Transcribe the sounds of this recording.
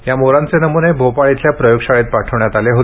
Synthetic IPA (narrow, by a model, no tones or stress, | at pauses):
jamoɾant͡senəmunebʱopaɭit̪ljapɾəjoɡɕaɭet̪̚paʈʰəʋɳjat̪aleɦot̪